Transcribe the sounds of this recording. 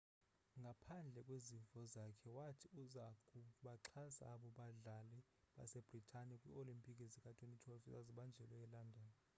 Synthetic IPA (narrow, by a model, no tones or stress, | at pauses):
ŋɡʱapʰand͡ɮʱɛkʼweziɱvɔzakʰɛwatʰiuzakʼuɓaǁʰasa̰ɓɔɓaɮalɛ | ɓa̰sɛb̥ʱritʰanɛkʼwḭolimpʼikʼezikʼatʰʼwenitʰwafizaziɓand͡ʒʱɛlɔjɛlandʱaːnɔ